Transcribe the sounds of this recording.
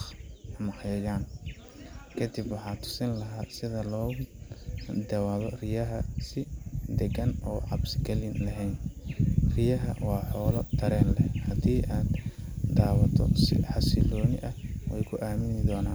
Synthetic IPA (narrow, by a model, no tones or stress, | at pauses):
mɑħjɐjaːn | kʰɐd̪ɪbwɑħɑːt̪ʰʊ̥sɐnlɐɦaːsɪðɐlɔː | d̪ɐwɐlɔrɪjɐɦɐsɪd̪ɛɡɐnɔːʕɑbsɪɡɐlɪnlɐɦɛjn | rɪjɐɦɐ̰wɑːħɔːlɔt̪ʰɐɾɛːnlɛhɐd̪iːʔaːd̪d̪aːwɐt̪ʰɔ̰sɪ̰ħɑsɪlɔːnɪʔɐwɛ̰jkʰʊʔaːmɪnɪd̪ɔːnaːn